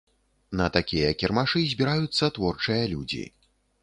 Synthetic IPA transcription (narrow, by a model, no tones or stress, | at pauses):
nɐt̪akʲijɐkʲirmaʂɨzʲbʲiɾajut̪sːɐt̪vɔrt͡ʂɨjɐlʲud͡zʲḭ